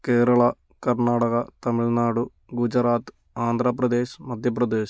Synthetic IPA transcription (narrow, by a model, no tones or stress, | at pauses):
keːɾɐɭɐ | kɐɾɳaːɽɐɣɐt̪ɐmiɭnaːɽu | ɡud͡ʑɐɾaːt̪ | aːnd̪ʱɾɐpɾɐd̪e̞ːɕmɐd̪ʱjɐpɾɐd̪eːɕ